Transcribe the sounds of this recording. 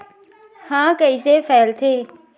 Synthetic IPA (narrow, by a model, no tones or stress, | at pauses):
hãːkəiːseːfɛːlt̪ʰeː